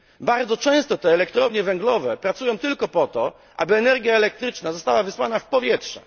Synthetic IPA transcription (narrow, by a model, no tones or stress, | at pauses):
baɾd̪zɔt͡ʂɛ̃w̃st̪ɔt̪ɛːlɛkt̪ɾɔvɲɛvɛŋɡlɔvɛpɾat̪sujɔ̃w̃t̪ɘlkɔpɔt̪ɔ | ʔa̰bɘɛnɛɾɡʲjaɛlɛk̚t̪ɾɘt͡ʂnazɔst̪awavɘswanafpɔvʲjɛtʂɛ̥̰